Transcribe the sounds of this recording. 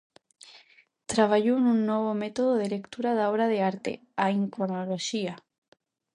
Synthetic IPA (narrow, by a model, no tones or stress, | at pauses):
t̪ɾaβ̞aʝoenũnːoβ̞omet̪oð̞oð̞ele̞kt̪uɾaðaoβɾaðeaɾt̪ḛ | aiŋkɾonoloʃia